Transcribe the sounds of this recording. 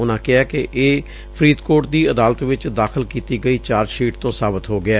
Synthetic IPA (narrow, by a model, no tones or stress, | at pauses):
ʊnãːkɪaːkɪʔeː | pʰɾiːd̪koːʈ̚d̪iːəd̪aːlət̪ʋɪt͡ʃd̪aːkʰəlkiːt̪iːɡəiːt͡ʃaːɾʃiːʈt̪õːsaːbət̪ɦoːɡɪɛː